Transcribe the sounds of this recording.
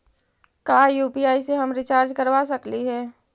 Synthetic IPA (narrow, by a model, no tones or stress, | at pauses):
kaːjuːpiːaːiseɦɐmɾɪt͡ʃaːɾd͡ʒkɐɾʋas̬ɐkliɦɛː